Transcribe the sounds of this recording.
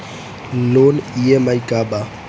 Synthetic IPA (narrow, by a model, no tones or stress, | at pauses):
lonijɛmaikʼaba